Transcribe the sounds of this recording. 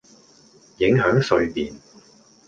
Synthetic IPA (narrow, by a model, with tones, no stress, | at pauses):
jɪ˨˥ŋɦœː˨˥ŋsɵ˨˧ɥpiː˨n